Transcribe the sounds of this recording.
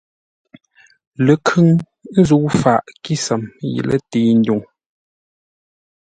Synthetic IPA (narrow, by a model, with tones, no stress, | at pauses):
lə˨kʰʉ˦ŋ | n̩˦zu˦wfa˨ʔki˦sə˨mjḭ˨lə̰˦teː˨˦˨n̩˦du˨ŋ